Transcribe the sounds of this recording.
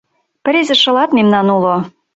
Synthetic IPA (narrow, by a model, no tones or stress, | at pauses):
pə̆ɾezĕʃɤ̆lɑt̪memnɑnulo